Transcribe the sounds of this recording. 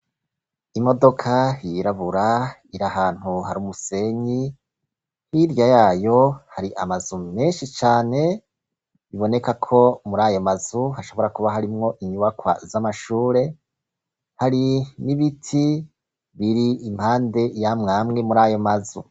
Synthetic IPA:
imo̞do̞kʰajiɾaβuɾaiɾahaːn̥huɦaɾumuse̞ɲi | hiɾjajaːjo̞haɾiʔamazume̞ːnʃit͡ʃaːne̞ | βiβo̞ne̞kakʰo̞muɾaːjo̞maz̥uhaʃo̞βo̞ɾakuβaɦaɾimŋo̞ʔiɲuβakwa̰zamaʃuːɾe̞ | haɾiniβitʰi | βiɾiːm̥haːnde̞jamŋaːmŋe̞muɾaːjo̞mazṵ

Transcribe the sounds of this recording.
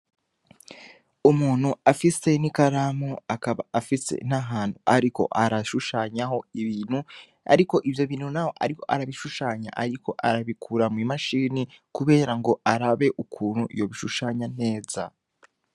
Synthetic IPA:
umuːn̥huafise̞nikaɾaːmuakaβaafise̞̰n̥aɦaːn̥huʔaɾiko̞̰ʔaɾaʃuʃaːɲaho̞iβiːn̥hu | a̰ɾiko̞ʔivjo̞βiːnhunaho̞ʔa̰ɾiko̞ʔaɾaβiʃuʃaːɲa̰ʔaɾikʰo̞ʔaɾaβikʰuːɾamŋimaʃiːnikuβe̞ːɾaŋɡo̞aɾaβe̞ʔukʰuːnhuʔḭjo̞βiʃuʃaːɲan̥e̞ːza

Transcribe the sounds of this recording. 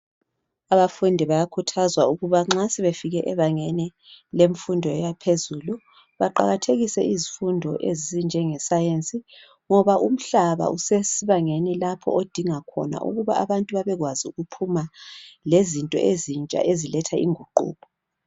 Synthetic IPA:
aβafundʱiβajakʰutʰazwauɣuβaŋ͡ǁasɛβefiɣɛʔɛβaŋeni | leɱfundʱɔɛjapʰezulu | βaǃa̰ɣatʰeɣisɛizifundʱɔʔezizind͡ʒʱɛŋɛsajent͡sʼi | ŋɔβaʔum̩ɬaβa̰ʔusesiβaŋenilapʰɔ̰od̥ʱiŋakʰɔ̰na̰ʔṵɣuβaʔaβantʼuβaβɛɣwaziuɣupʰumalezintʼɔ̰ʔezint͡ʃʼa̰ʔezilɛtʰaḭŋuǃṵːβɔ

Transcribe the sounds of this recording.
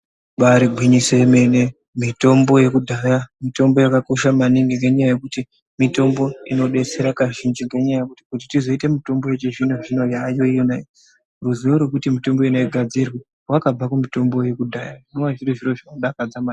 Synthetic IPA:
ɓaɾiɡʱwiɲiseme̞ne | mito̞mbo̞je̞kudʱajamito̞mbo̞jakako̞ʃamaniŋɡeŋɡe̞ɲajaje̞kuti | mito̞mbo̞ino̞ɗe̞t͡se̞ɾakaʒind͡ʒiŋɡe̞ɲajajekutikutitizo̞ite̞mito̞mbo̞jet͡ʃeʐinoʐino̞jajo̞ijonai | ruzioɾrwekutimito̞mbo̞inoiɡʱad͡zirwe | rwakab͡vakumito̞mbo̞je̞kudʱajainowaʐiroʐiroʐanoɗakad͡zamaːni

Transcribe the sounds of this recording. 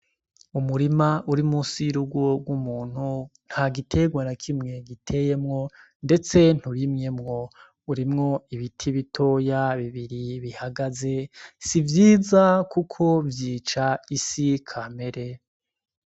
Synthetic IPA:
umuɾimaʔuɾimusiɾuɡoɡwumuːn̥hun̥haɡitʰe̞ɡwanakʰimŋe̞ɡitʰe̞je̞mŋo̞ | nde̞t͡se̞n̥huɾimŋe̞mŋo̞ | uɾimŋo̞iβitʰiβitʰo̞jaβiβiɾiβihaɡaze̞sivjiːzakukʰo̞vjiːt͡ʃaisikʰame̞ɾe̞

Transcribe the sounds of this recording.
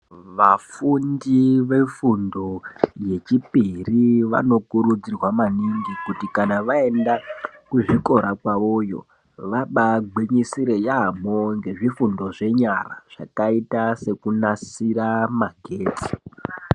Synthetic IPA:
ʋafundiʋe̞fundo̞je̞t͡ʃipiriʋa̰no̞kuɾud͡zirwamaniŋɡikutikanaʋae̞ndakuʐiko̞ɾakwaʋo̞jo̞̰ | ʋaɓaɡ͡beɲisiɾe̞jamoŋɡe̞ʐifundo̞ʐe̞ɲara̰ʐ̥akaitase̞kunasiramaɡʱe̞ːti̥

